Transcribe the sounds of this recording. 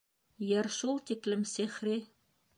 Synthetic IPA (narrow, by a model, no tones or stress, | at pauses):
jɤ̆rʃulˠt̪eklɘ̆msexre